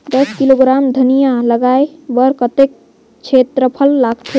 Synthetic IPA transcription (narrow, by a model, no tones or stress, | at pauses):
d̪əskiloɡɾamd̪ʱənijaləɡaebəɾkət̪ek̚ | t͡ʃʰet̪ɾəpʰəlːaɡt̪ʰe